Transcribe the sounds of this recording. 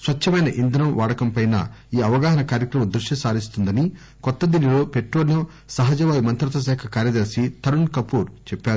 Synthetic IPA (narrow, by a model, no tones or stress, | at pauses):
sʋɐt͡ʃːɐmɐjnɐʔind̪ɾɐmʋaːɽɐkɐmpɐjnɐ̰iːɐʋɐɡaːɦɐnɐkaːɾjɐkɾɐmɐmd̪ɾuʂʈisaːɾist̪und̪ɐni | kɔt̪ːɐd̪inilo̞ːpeʈɾoːlnɐ | sɐɦɐd͡ʒɐʋaːjimɐnt̪ɾɐt̪ɐs̬ɛːkʰɐkaːɾjɐd̪ɐɾsit̪ʰɐɾuɳkɐpuːɾt͡ʃɛpːaːɾu